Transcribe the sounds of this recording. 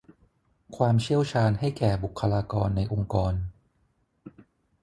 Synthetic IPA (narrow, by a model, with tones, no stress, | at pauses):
kʰwaː˧mt͡ɕʰi˥˩əwt͡ɕʰaː˧nha˥˩jkɛː˨˩bu˨˩kʰːa˧laː˧kɔː˧nːa˧jʔo˧ŋkɔː˧n